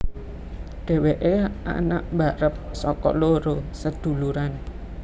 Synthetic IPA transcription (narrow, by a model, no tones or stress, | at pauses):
ɖ̥e̤weʔea̰naʔmbaɾəp̚sɔkɔ̰loɾosəd̪̥ṳluɾan